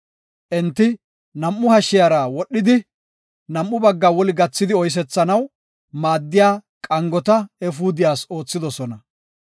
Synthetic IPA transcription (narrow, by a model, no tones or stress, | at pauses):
ʔɛnt̪ːɪ | nɐmʔːʊhɐʃːɪjaɾawɔɗːɪd̪ɪ | nɐmːʊbɐɡːaːwɔlɪɡɐt͡sːɪd̪ɪɔjs̬ɛt͡sːɐnɐw | maːd̪ːɪjaː | kʼɐŋɡɔt̪ɐɛfuːd̪ɪjaːso̞ːt͡sːɪd̪ɔsɔnɐ